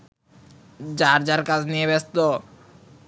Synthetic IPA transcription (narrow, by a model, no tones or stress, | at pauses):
d͡ʑaɾd͡ʑaɾkat͡sʰnijeβest̪o